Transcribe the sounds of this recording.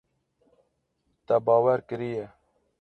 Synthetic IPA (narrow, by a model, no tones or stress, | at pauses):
t̪abɑːwaɾkɨɾije